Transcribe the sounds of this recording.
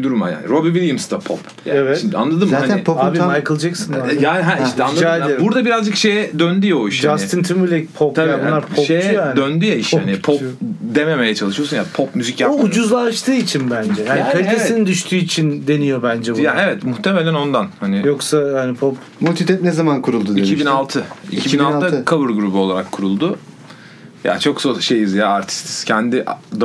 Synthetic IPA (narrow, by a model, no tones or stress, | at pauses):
d̪uɾuma̰ja̰ːnḭɾobivilʲjɯmst̪apʰo̰p | ja̰ɛvɛt̪ʃimd̪a̰nlˠad̪ɯmzaːanɪpʰoːbimajkɯlˠd͡ʒaksɯnajaɦæiʃt̪ʰɛanˠaad̪buɾd̪abiɾazd͡ʒɯkʃe̞jɛd̪ønd̪yjaoiʃʃd͡ʒast̪ɯnt̪ʰɯmylʲɛc̚pʰop̪ʰaiunːˠaɾpʰoʃejt͡ʃjoaːnd̪ønd̪yjaiʃhanɪpʰopd̪eme̞mejɛt͡ʃʰalˠɯʃɯjo̞sunjapʰop̚myzicjaud͡ʒuzlˠaʃt̪ʰɯːit͡ʃʰinbænd͡ʒɛjaːniik̪ʰalʲit̪ʰessinind̪yʃt̪ʰyːit͡ʃʰind̪e̞nijo̞bænd͡ʒɛbujaːɛvɛt̪muxt̪ʰe̞melʲæno̞nd̪anhanɪjoksahanipʰop | mulʲt̪ʰit̪ʰɛp̚nezamankʰuɾulˠd̪ud̪icʰibinalˠt̪ʰɯḭcʰibinalˠʰɯkʰabɯɾɡɾubuo̞lˠaɾakʰːuɾulˠd̪ʊ | ja̰t͡ʃʰo̞ksoʃejɯzjaaɾt̪ʰi̥st̪ʰi̥scʰɛnd̪iʔd̪